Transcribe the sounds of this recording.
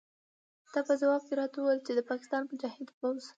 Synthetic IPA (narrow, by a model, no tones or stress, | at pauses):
d̪̥ɑpəzawɑb̚keɾɑt̪awajəlt͡ʃed̪əpɑkɪ̥st̪ɑnmʊd͡ʒɑhɪd̪pawz